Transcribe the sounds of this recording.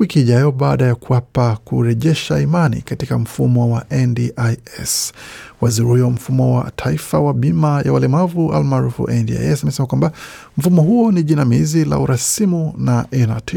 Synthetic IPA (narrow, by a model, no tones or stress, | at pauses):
wikiːʄajɔɓaːɗajakuwapakuɾɛʄɛʃaimanḭkatikam̩fumɔwaʔɛndiʔajɛ̰swaziɾihuwam̩fumɔwa̰tʰaifawaɓimaja̰walɛmavua̰lmaːɾufṵʔɛndḭa̰jɛsamɛsɛmakwamba | m̩fumɔɦuɔniʄinamizila̰uɾasimunaʔɛnati